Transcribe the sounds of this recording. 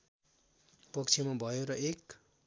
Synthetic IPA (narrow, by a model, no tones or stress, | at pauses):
pʌkt͡sʰimabʱʌjoɾʌʔek